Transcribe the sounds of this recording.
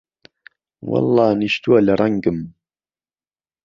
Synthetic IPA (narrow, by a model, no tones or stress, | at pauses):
wɑ̰lːɑːniʃt̪uɐlɐɾˤɑŋɡɨm